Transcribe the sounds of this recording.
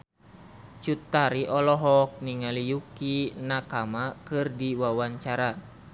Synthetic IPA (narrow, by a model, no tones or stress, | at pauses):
t͡ʃut̪aɾiʔɔlɔɦɔk̚niŋalijukinakamakɨrdiwawaɲt͡ʃaɾa